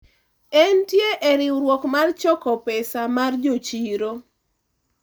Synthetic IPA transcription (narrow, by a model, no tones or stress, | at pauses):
ɛntjeʔɛɾɪwɾwɔkmart͡ʃɔkɔpɛsamard͡ʒot͡ʃiɾo